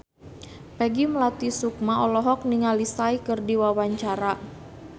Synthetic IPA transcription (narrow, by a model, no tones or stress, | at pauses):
pɛɡiməlat̪isuk̚maɔlɔɦɔk̚niŋalisaikɨrdiwawaɲt͡ʃaɾa